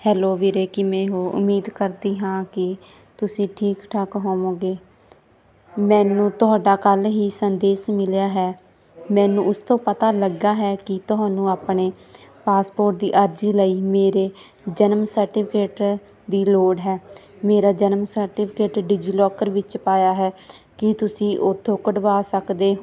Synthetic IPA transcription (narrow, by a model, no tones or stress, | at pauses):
hɛːloːʋiːɾeːkɪmɛ̃ːɦoːʔʊ̰mːiːd̪kəɾd̪iːɦãːkɪ | t̪ʊsĩːʈʰiːkʈʰakɦoːmõːɡeː | mɛ̃ːnũːt̪ʊɦaːɖaːkəlɦiːsənd̪eːsmɪljaːɦɛː | mɛ̃ːnũːʊst̪õːpət̪aːləɡaːɦɛːkɪt̪ʊɦãːnũːaːpɳeː | paːspoːɾʈ̚d̪ḭːʔəɾd͡ʒiːləiːmeːɾeː | d͡ʒənəmsəɾʈɪːpʰɪkeːʈ | d̪iːloːɽɦɛː | meːɾaːd͡ʒənəmsəɾʈɪpʰɪkeːʈɖɪd͡ʒiːlɔːkəɾʋɪt͡ʃpaːjaːɦɛː | kɪt̪ʊsĩːʔʊt̪ʰːõːkəɖʋaːsəkd̪eː